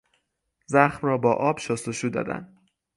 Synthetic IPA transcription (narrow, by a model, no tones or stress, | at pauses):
zæxmrɒːbɒːʔɒːbʃost̪oʃuːd̪ɒ̰ːd̪æ̰n